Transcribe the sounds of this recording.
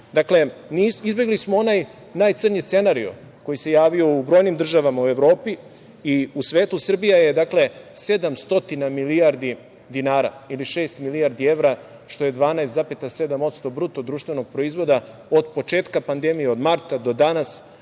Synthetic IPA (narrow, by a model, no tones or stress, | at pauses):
d̪akle̞niːsizbje̞ɡlismoo̞naj | naːjt̪sɨr̩ɲist̪se̞naɾio̰ | ko̞jise̞jaːʋio̞ubɾo̞jnimd̪r̩ʒaʋamaue̞ʋɾo̞ːpi | iusʋeːt̪usr̩bijaje̞d̪akle̞se̞d̪amst̪o̞t̪inamiliaɾd̪i | d̪inaːɾa̰iliʃeːst̪miliaɾd̪ie̞ʋɾa | ʃt̪o̞je̞d̪ʋaːnaest̪zapet̪ase̞d̪amo̞t̪st̪o̞bɾut̪o̞d̪ɾuːʃt̪ʋeno̞ɡ̚pɾo̞izʋo̞d̪a | od̪po̞t͡ʃe̞ːt̪kapand̪e̞mijeod̪maɾt̪ad̪o̞d̪anas